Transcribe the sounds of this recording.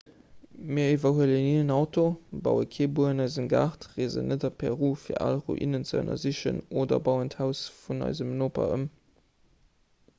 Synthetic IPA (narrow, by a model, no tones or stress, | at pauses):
miːɐivɐhuələniənɑʊtobɑ̰ʊəkʰeːbuəənɑɪzəmɡaχtʁeːzə̰nʔətɑpʰɛʁuːfiːɐʔalʁo̰ʔḭnənt͡səə̰nɐ̰ziɕə̰noːdɐ̰bɑʊənthæʊsfunɑ̰ɪzəmnoːpɐ̰əm